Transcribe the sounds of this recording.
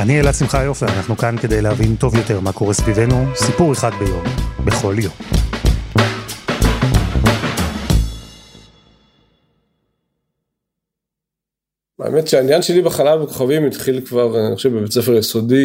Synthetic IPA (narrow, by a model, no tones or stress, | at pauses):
anielasimχajofeanaχnukanke̞d̪ejlehavint̪ovjo̞t̪e̞ʁmako̞ʁe̞svivenusipuʁeχad̪̚be̞jo̞mbeχo̞ljo̞m | aḛmetʃeainjanʃe̞libeχalalbeko̞χavimit̪χilkvaʁniχʃevbebet͡sefeʁjeso̞di